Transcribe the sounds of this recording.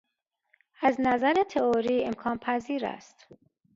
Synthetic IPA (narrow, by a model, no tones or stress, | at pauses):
æznæzæɾet̪ʰeoɾiːemkʰɒːnpʰæziːɾæ̰st̪